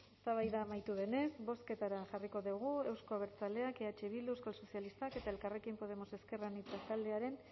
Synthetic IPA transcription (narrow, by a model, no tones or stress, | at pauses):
est̪aβ̞ajðaːmajt̪uðe̞ne̞sbo̞ske̞t̪aɾaʝariko̞ðuɣ̞ue̞wsko̞aβe̞ɾt͡sale̞akeat͡ʃeβild̪uewskalso̞sialist̪ake̞t̪ae̞lkare̞kimpo̞ð̞e̞mo̞se̞ske̞ranit͡sat̪ald̪e̞aɾe̞n